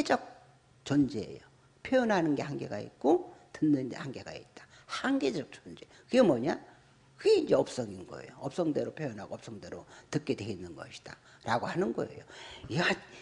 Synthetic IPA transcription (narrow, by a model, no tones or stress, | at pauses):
ed͡ʑʌk̚ | t͡ɕʌnd͡ʑeḛjo | pʰjojʌnɦanɯnɡe̞hanɡe̞ɡa̰ḭt̚k͈otɯnːɯndḛhaŋɡe̞ɡa̰ḭt̚t͈ḁ | haŋɡe̞d͡ʑʌk̚t͡ɕʌnd͡ʑe̞kɯɡe̞mʌɲa | kɯɡe̞ind͡ʑe̞ʌp̚s͈ʌŋinɡʌ̰ḛjoʌp̚s͈ʌŋdwe̞ɾopʰjojʌnɦaɡoʌp̚s͈ʌŋdwe̞ɾotɯk͈e̞dwe̞inːɯnɡʌ̰ɕʰi̥d̥a | ɾaɡohanɯnɡʌ̰e̞̰joiha